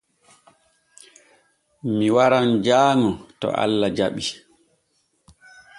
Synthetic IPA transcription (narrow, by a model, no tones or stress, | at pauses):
miwaɾand͡ʒaːŋɔtɔ̰ʔa̰lːad͡ʒaɓi